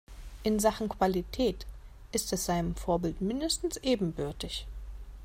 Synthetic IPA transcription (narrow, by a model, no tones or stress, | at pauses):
ʔɪnzaχn̩kv̥alitʰɛːt | ʔɪstɛsz̥aɪnəmfoːɐbɪltmɪndəstn̩sʔeːbm̩bʏɐtɪç